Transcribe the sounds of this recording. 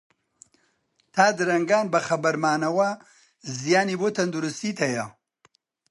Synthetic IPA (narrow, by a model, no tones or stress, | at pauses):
t̪ʰaːd̪ɨɾɐŋɡaːnbɐxɐbɐɾmaːnɐwɐ | zijaːniːboːt̪ʰɐnd̪uɾust̪iːt̪hɐjɐ